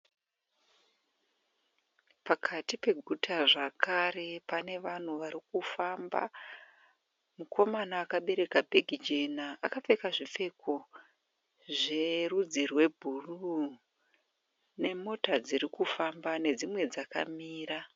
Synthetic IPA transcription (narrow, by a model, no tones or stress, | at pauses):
pakʰatipe̞ɡʱutʰaʐakʰare̞pane̞ʋan̤uʋaɾikufamba̰ | mukʰo̞manaːkaɓe̞ɾe̞kabʱeɡʱid͡ʒe̞naʔa̰kafe̞kaʐife̞kʰo | ʐe̞rud͡zirwe̞bʱuru | ne̞mo̞tad͡ziɾikufambane̞d͡zimwe̞d͡zaka̰miːra